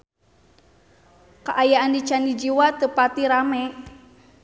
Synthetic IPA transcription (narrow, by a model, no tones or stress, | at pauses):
kaʔajaʔandit͡ʃandid͡ʒiwat̪əpat̪iɾamɛ